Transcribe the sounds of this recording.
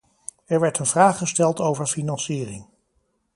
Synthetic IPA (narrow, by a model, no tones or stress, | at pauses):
ɛɹʋɛɹtənvraːχəstɛlˠtowvəɹfinɑnsiːrɪ̰ŋ